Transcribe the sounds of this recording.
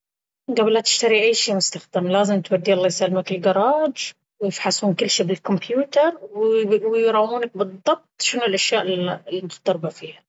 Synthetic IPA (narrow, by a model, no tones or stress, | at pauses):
ɡabɪlːat̪ɪ̥ʃt̪aɾiʔajːʃiːmʊst̪axd̪amlaːzɪmt̪wad̪ːiʔɑlˤːɑːjsalːmakɪlɡɑɾˤɑːd͡ʒ | wɪjɪfħasuːnkɪlːʃiːbɪlkʊmpjuːt̪ɑɾˤwwɪjɾˤɑːwːuːnak̚bɨðˤːɑb̚t̪ˤʃɪnɪlʔaʃjaːʔɪllinɪxt̪ɑɾˤbafiːha